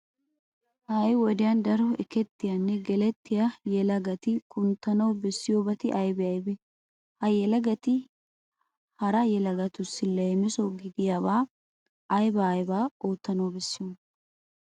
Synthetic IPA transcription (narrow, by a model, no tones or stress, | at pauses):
hajwɔd̪ɪjɐnd̪ɐɾɔɛkɛt̪ːɪjɐnːɛɡɛlɛt̪ːɪjɐjɛlɐɡɐt̪ɪkʰʼʊnt̪ːɐnɐwbɛsːɪjoːbɐt̪ɪʔɐjbɛɐjbɛ | hɐjɛlɐɡɐt̪ɪ | hɐɾɐjɛlɐɡɐt̪ʊsːɪlɐɛmɛsɔɡɪd̪ɪjaβaː | ɐjbɐːjbaːoːt̪ːɐnɐwbɛsːɪjɔn